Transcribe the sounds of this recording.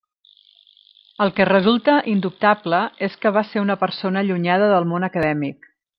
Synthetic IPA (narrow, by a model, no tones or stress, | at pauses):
əlˠkərəzulˠt̪əʔind̪up̚t̪abləeskəβ̞aseɾunəpəɾsonəːʎuɲað̞əðəlˠmonəkəðɛmik̚